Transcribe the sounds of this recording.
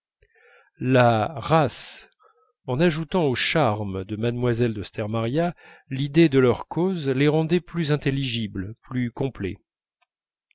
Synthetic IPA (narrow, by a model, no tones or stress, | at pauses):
laʁas | ɑ̃naʒut̪ɑ̃oʃaʁmd̪əmad̪mwazɛld̪əst̪ɛʁmaʁja | lid̪ed̪əlœʁkʰozleʁɑ̃d̪ɛplyzɛ̃t̪elːiʒiblplykɔ̃plɛ̰